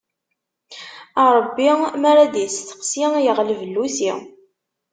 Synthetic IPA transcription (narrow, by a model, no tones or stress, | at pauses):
ɑɾˤəbːimaɾaðjəsθə̥qsijəʁlvəlːusi